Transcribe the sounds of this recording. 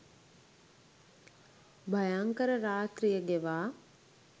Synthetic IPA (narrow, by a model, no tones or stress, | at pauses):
bʱɐjaŋkəɾəɾaːt̪ɾijəɡeʋaː